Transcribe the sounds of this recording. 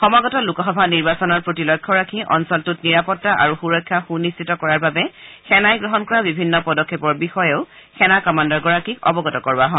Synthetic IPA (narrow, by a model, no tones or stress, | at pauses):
xɔmaɡɔtɔlukɔxɔbʱaniɹbasɔnɔɹpɹotilɔjkʰːɔɹakʰiʔɔ̰nsɔltutniɹapɔtːaʔa̰ɹuxuɹɔkʰːjaxunistitɔkɔɹaɹbabɛxɛnajɡɹɔɦɔnkɔɹabibʱinːɔpɔdɔkʰːepɔɹbixɔjeʊ | xɛnakɔmandɔɹɡɔɹakikɔ̰bɔɡɔtɔkɔɹaɦɔ̃n